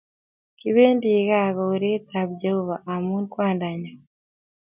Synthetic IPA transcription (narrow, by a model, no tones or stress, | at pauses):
kiβeːndiːɣaɣoɾetʰaβɟehoβaʔamundkwaːndaɲa